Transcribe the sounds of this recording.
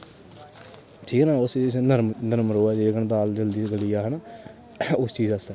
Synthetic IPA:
ʈʰiːknãːʊssnəɾmnəɾmɾoːɛːd͡ʒeːɡəɳb̪aːld͡ʒəld̪iːɡəlijaːɦənaː | ʊst͡ʃiːzast̪ɛː

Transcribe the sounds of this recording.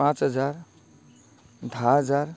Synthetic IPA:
ãt͡sɦəd͡zaɾ | d̪ʱaɦəd͡zaɾ

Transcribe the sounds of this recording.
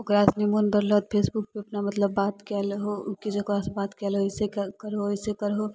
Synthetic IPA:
okɾasnemunb̪əɾlət̪̚pʰesbuk̚peɐpnamət̪ləbːat̪kɛlɦoukid͡ʒekasbat̪kɛlɦosekəɾɦoisekəɾɦo

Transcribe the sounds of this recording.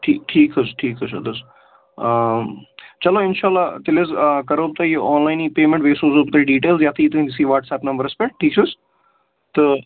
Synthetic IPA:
ʈʰiːkʈʰiːkɦɐsʈʰiːkɦɐsɐ̰d̪ɐs | t͡ʃɐloɪnʃaːlːaːt̪ɪlezkɐɾoːp̚t̪ɐjiʔɔːnlaːɪniːpeːmẽɳʈʋeːsoːzoːb̚t̪ɐiɖiːʈeːlzjaːt̪ʰiːt̪uɦĩd͡ʒ̪ɪsiːʋaːʈsɛːpnɐmbəɾɐspeʈʰiːk̚t͡ʃʰos | t̪ə

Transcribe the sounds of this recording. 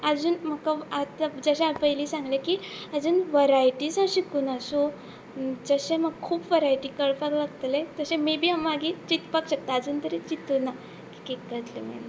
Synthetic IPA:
ad͡zuːnm̤əkaat̪ad͡zəɕẽapəjliːsãŋɡlekiəd͡zuːnʋəɾajʈiːsãɕikuːnaso | d͡zəɕẽməɡkʰuːpʋəɾajʈikəɽpaɡlaɡt̪əlet̪əɕẽmibʱiːamːaɡit͡ɕit̪pakɕək̚t̪aːd͡zuːnt̪əɾet͡ɕit̪una | ki̥kekːət̪lḛmḛm

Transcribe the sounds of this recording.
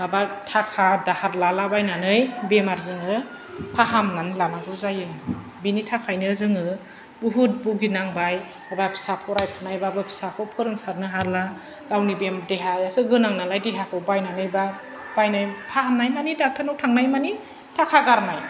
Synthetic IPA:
abatʰakʰadahaɾlalabajnanɯjbemaɾzɯŋɯ | pʰaɦamnanilamaɡɯzajɯŋ | binitʰakʰajnɯzɯŋɯ | buɦut̚buɡinaŋbaj | abapʰi̥sapʰɔɾajpʰɔnajbabapʰi̥sakʰɔpʰɯɾɯŋsaɾnɯɦaɾla | ɡawnibemdeɦajasɯɡɯnaŋnalajdeɦakʰɯbajnanɯjba | b̥ajnajpʰaɦamnajmanidak̚tʰanɔwtʰaŋnajmani | tʰakʰaɡaɾnaj

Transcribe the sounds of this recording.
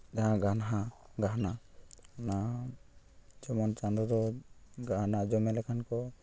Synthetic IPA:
d͡ʒaɦãɡanɦaɡaɦnana | d͡ʒɔmɔnt͡ʃãnd̪ɾɔd̪ɔɡaɦnad͡ʒɔmɛlɛkʰankɔ

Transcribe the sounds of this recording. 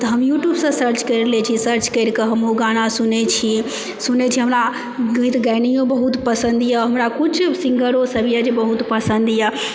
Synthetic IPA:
t̪əɦəmjuːʈjuːbsə̃səɾt͡ʃkəɾlɛt͡ʃʰisəɾt͡ʃkəɾkəɦəmoɡaɽ̃asunet͡ʃʰi | sunet͡ʃʰiɦəmɾa | ɡə̃ĩt̪ɡanijõbəɦut̪pəsə̃nd̪ijaɦəmɾakʊt͡ʃʰsĩŋɡəɾosəbijad͡ʒebəɦut̪pəsənd̪ija

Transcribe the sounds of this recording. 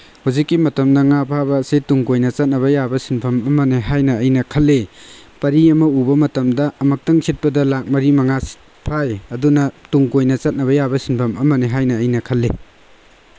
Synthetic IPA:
huzikːimɐtɐmnɐŋapʰabɐsetuŋkojnɐt͡ʃɐt̚nɐβɐjabɐsinpʰɐmɐmɐneɦajnɐːjnɐkʰɐlːepɐɾiɐmɐubɐmɐtɐmdɐɐmɐk̚tɐŋsʰit̚pɐdɐlak̚mɐɾimɐŋasi̥t̚ | pʰajɐdunɐtuŋkojnɐt͡ʃɐt̚nɐβɐjabɐsinpʰɐmɐmɐneɦajnɐːjnɐkʰɐlːe

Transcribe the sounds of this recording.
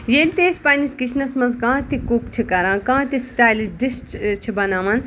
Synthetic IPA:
jeːlʲt̪eːspaːniskit͡ʃʰnɐsmɐnzkãːt̪ikukt͡ʃʰikɐɾãːkãːt̪isʈaːjlit͡ʃɖisʈt͡ʃʰibɐnãːmɐn

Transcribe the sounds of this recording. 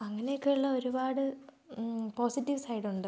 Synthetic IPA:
ɐŋːɐnejokːeːɭuɭːɐo̞ɾubaːɽɨ | po̞ːsitːiʋsɐjɽuɳɖɨ

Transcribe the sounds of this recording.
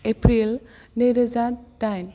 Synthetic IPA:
epɾilneɾəzadajn

